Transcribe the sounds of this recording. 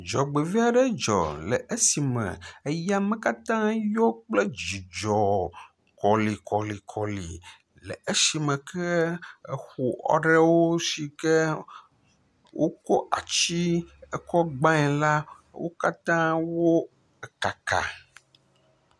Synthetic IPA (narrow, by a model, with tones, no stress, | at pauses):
d͡ʒɔ˨ɡ͡be˨vi˦a˨ɖɛ˦d͡ʒɔ̰˨lɛ̰˨ʔe˦si˨mɛ̰̃˨e˦ja˦mɛ̃˨ka˦t̪ã˦jo˦k͡ple˦d͡ʒi˨d͡ʒɔ˨ | kɔ˨li˨kʰɔ˨li˨kʰɔ˨lḭ˨ | lɛ˨e˦si˨mɛ̃˨kʰɛ˦e˨xu˨ɔ̰˦ɖe˦wo˦si˨kɛ˦ | wʔo˦ko˦ʔa̰˨t͡ʃi˦ɛ˦kɔ˦ɡ͡bã˦ɛ˨la˦ | wo̰˦ka˦t̪ã˦wo˦ | ɛ˨ka˨ka̰˨